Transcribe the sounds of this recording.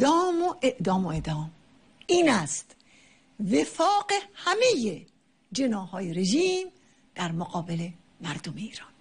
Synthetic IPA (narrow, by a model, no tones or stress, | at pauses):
ɒːmoʔeʔd̪ɒːmoed̪ɒːm | iːnæst̪ | vefɒːqehæmeje | d͡ʒenɒːhɒːjeɾeʒiːm | d̪̥æɾmoqɒːbele̞ | mæɾd̪omeiːɾɒːn